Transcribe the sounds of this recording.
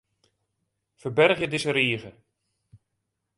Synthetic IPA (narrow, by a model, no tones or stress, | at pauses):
fəɹbɛrχjədɪsəɾiːəɣə